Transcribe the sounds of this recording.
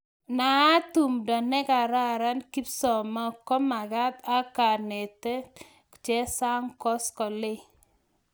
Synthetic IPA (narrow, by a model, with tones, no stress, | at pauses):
na˨˦tu˨mdɔ˨nɛ˦ka˨ɾa˦ɾa˦nki˦psɔ˨ma˦kɔ˦ma˨ka˦ta˦ka˨ne˨tɛ˦ | kt͡ʃɛ˦sa˦ŋkɔ˦skɔ˨le˦